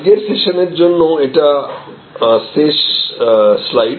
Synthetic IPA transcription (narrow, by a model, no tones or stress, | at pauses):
ɡeɾseʃoneɾd͡ʑonːoeʈa | seʃ | slaj